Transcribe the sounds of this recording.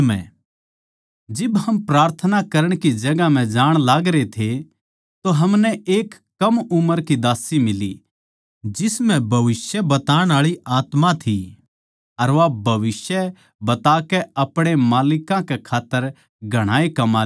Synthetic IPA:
mɛ̰̃ | d͡ʒɪbɦɐmpɾaːɾt̪ʰənakɐɾəɽ̃kid͡ʒɐɡam̤ɛ̃d͡ʒaːɽ̃laːɡɾet̪ʰe | t̪oɦɐmnɛeːkːɐmʊməɾkid̪aːsimɪlḭ | d͡ʒɪsmɛ̃bʱɐʋɪsjɛbɐt̪aːɽ̃aːɭiaːt̪mãt̪ʰi | ɐɾʋabʱɐʋɪsjɛ | bɐt̪aːkɛɐpɽ̃emaːlɪkãkekʰaːt̪ːəɾ | ɡʱɐɽ̃aːekɐmaː

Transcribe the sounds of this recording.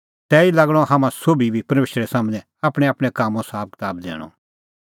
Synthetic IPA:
t̪ɛːilɐɡɽ̃ɔɦaːmãsoːbibʱipɐɾmeːʃɾɛsaːmnɛ̃ | aːpɽ̃eaːpɽ̃ekaːmõsaːb̚kɪ̥t̪aːbd̪ḛːɽ̃ɔ̰

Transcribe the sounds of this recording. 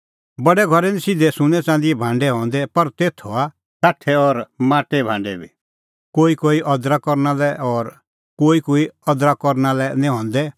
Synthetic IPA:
bɐɽɛɡʱɔɾɛnĩsɪd̪ɛsʊ̃nɛ̃t͡sãːn̆d̪iɛbʱãːɳɖɛɦɔ̃ːnd̪ɛpɐɾt̪eːt̪ʰɔa | saːʈʰɛɔɾmaːʈebʱã̰ːɳɖɛbʱḭ | koːikoːiʔɔd̪ɾakɔɾnalɛɔːɾ | koːikoːiɔd̪ɾakɔɾnalɛnĩɦɔ̃ːnd̪ɛ

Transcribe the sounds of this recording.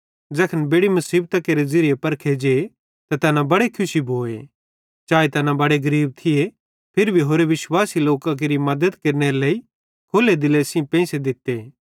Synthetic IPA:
d͡ʒɛːkʰənbeːɽimɐsiːb̚t̪ɐkeːɾezɪɾɪjepɐɾkʰed͡ʒe | t̪at̪ɐnãbɐɽekʰʊʃiboːḛ | t͡ʃaːet̪ɐnãbɐɽeɡɐɾiːb̚t̪ʰɪe | pʰɪɾbʱiɦoːɾeʋɪswaːsiloːkak̬eɾimɐd̪əd̪kɐɾneɾeleːi | kʰoːled̪ɪlesĩpɛ̃ːsed̪ɪt̪ːe

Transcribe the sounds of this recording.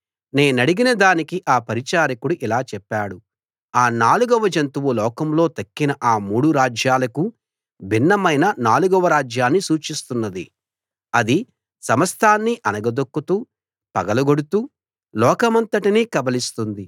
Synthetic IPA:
neːnɐɽiɡinɐd̪aːnikiʔaːpɐɾit͡ʃaːɾikuɽuʔilaːt͡ʃɛpːaːɽu | aːnaːluɡɔʋɐd͡ʒɐnt̪uʋulɔːkɐmlo̞ːt̪ɐkːinɐʔaːmuːɽuɾaːd͡ʒjaːlɐku | bʱinːɐmɐjnɐnaːluɡɔʋɐɾaːd͡ʒjaːnːisuːt͡ʃist̪unːɐd̪ḭ | ɐd̪i | sɐmɐst̪ʰaːnːiʔɐnɐɡɐd̪okːut̪uː | pɐɡɐlɐɡoɽut̪uː | lɔːkɐmɐnt̪ɐʈiniːkɐbɐlist̪und̪i

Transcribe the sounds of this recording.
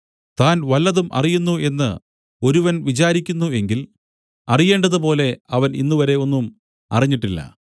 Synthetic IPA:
t̪aːnʋɐlːɐðumʔɐ̰rijunːue̞nːɨ̰ | o̞ɾuʋɐnʋit͡ɕaːɾikʲːunːue̞ŋɡil | ɐrije̞ːɳɖɐðɨpo̞ːle̞ɐʋɐninːuʋɐɾe̞o̞nːum | ɐ̰riɲːiʈːilːɐ̰

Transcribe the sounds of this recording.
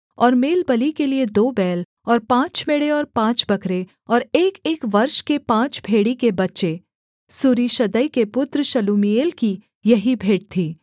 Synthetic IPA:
ɔːɾmeːlbɐlikelied̪oːbɛːl | ɔːɾpãːt͡ʃmeɽeɔːɾpãːt͡ʃbɐkʰɾe | ɔːɾeːkeːkʋɐɾʃkepãːt͡ʃbʱeːɽikebɐtːʃe | suːɾiʃɐd̪əikepʊt̪ɾəʃɐluːmieːlki | jɐɦibʱeːʈ̚t̪ʰiː

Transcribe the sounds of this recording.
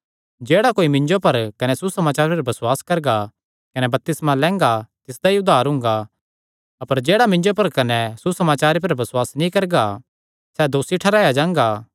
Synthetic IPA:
d͡ʒeːɽakoːimɪ̃ɲd͡ʒopɐɾkɐnɛsusɐmaːt͡ʃaːɾpɐɾbɐsʊwaːskɐɾɡa | kɐnɛbɐp̚t̪ɪsmãlɛ̃ːŋɡat̪ɪsd̪aiʊd̪ʱːaːɾɦʊ̃ːŋ̆ɡa | ɐpəɾd͡ʒeːɽamɪ̃nd͡ʒopɐɾkɐnɛsusɐmaːt͡ʃaːɾep̬ɐɾbɐswaːsnĩkɐɾɡa | sɛd̪oːsiʈʰɐɾaːjad͡ʒãːŋ̆ɡaː

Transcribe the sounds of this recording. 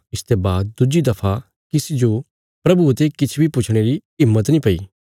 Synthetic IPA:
ɪst̪ebaːd̪̚d̪ʊd͡ʒid̪ɐpʰa | kɪsid͡ʒo | pɾɐbut̪ekɪt͡ʃʰbʱipʊt͡ʃʰɽ̃eɾiɪmːət̪nĩpɐḭː

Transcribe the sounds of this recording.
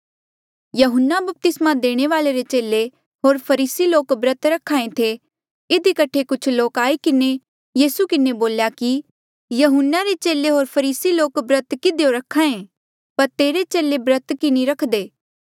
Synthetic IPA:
jɐɦʊnːabɐp̚t̪ɪsmad̪eːɽ̃eʋaːleɾet͡ʃeːle | ɦoːɾpʰɐɾiːsiloːkbɾət̪ɾɐkʰaːẽt̪ʰe | ɪd̪ikɐʈʰːekʊt͡ʃʰloːkaːikɪne | jiːsukɪneboːljaki | jɐɦʊnːaɾet͡ʃeːleɦoːɾpʰɐɾiːsiloːkbɾət̪kɪd̪ejoɾɐkʰːaːẽ | pɐɾt̪eːɾet͡ʃeːlebɾət̪kɪniɾɐkʰd̪eː

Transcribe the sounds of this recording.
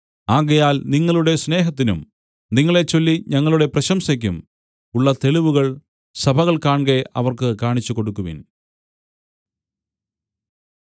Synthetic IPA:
aːɣɐjaːlniŋːɐɭuɽe̞sne̞ːɦɐt̪̬ːinum | niŋːɐɭe̞t͡ɕːo̞lːiɲɐŋːɐɭuɽe̞prɐɕɐmsɐk̬ʲːum | uɭːɐt̪e̞ɭiʋuɣɐɭ | sɐbʱɐɣɐɭkaːɳɡeʔɐ̰ʋɐrkɨkaːɳit͡ɕːukoɽukːuʋḭn

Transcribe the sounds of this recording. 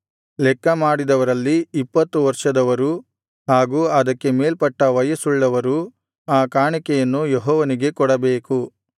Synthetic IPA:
lɛkːɐmaːɽid̪ɐʋɐɾɐlːiipːɐt̪ːuʋɐɾʂɐd̪ɐʋɐɾu | ɦaːɡuːɐd̪ɐkːe̞meːlpɐʈːɐʋɐjɐsuɭːɐʋɐɾu | aːkaːɳikɛjɐnːujeɦɔːʋɐniɡe̞kɔɽɐbeːku

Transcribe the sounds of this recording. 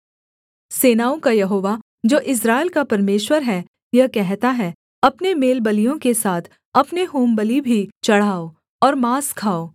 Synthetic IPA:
seːnaːõkajɐɦoːʋa | d͡ʒoːʔɪs̬ɾaːɪlkapɐɾmeːʃwəɾɦɛ | jɐɦkɛɦt̪aɦɛ | ɐpnemeːlbəlijõkesaːt̪ʰ | ɐpneɦoːmbəlibʱit͡ʃɐɽ̤aːo | ɔːɾmaːskʰaːoː

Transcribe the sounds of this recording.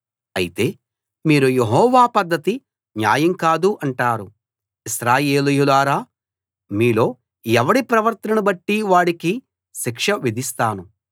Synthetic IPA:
ɐjit̪e̞ː | miːɾuje̞ɦɔːʋaːpɐd̪ʱːɐt̪i | ɲja̰ːjɐŋkaːd̪uʔɐɳʈaːɾu | iʃɾaːje̞ːlijulaːɾaː | miːlo̞ː | jɛʋɐɽipɾɐʋɐɾt̪ɐnubɐʈːiʋaːɽiki | ʃikʂɐʋid̪ʱist̪aːnu

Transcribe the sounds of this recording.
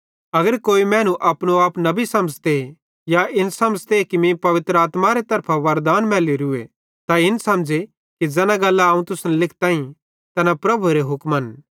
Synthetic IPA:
ɐɡəɾkoːimɛ̃ːnũʔɐpñoaːpnɐbisɐmd͡ʒt̪e | jaɪnsɐmd͡ʒt̪ekimĩpɐʋɪt̪ɾəaːt̪maɾet̪ɐɾpʰaʋɐɾd̪aːnmɛːliɾʊḛ | t̪aɪnsɐmd͡ʒe | kid͡ʒɛːnãɡɐlːaaːũt̪ʊsnlɪkʰt̪ãːĩ | t̪ɛːnapɾɐbʱuɾeɦʊkmən

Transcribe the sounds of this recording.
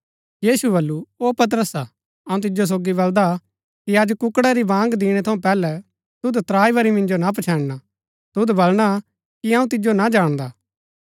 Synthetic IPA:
jiːsubɐlːuoːpɐt̪̬ɾəsa | ɐũt̪ɪd͡ʒos̬oːɡibɐld̪a | kiɐd͡ʒkʊkɽaɾibãːŋɡd̪ɪɽ̃ɛt̪ʰɐũpɛːlɛ | t̪ʊd̪t̪ɾaːibɐɾimɪ̃nd͡ʒonap̬ɐt͡ʃʰãːɽna | t̪ʊd̪bɐlɽ̃a | kiɐũt̪ɪd͡ʒonad͡ʒaːɽ̃d̪aː

